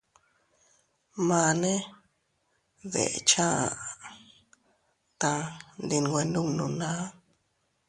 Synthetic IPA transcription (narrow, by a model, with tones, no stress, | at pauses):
mã˧nẽ˦ | βḛ˨t͡ʃã˦a˨ | t̪ã˧nd̪i˧nɡwe˧ndũ˦ŋnũ˨nã˦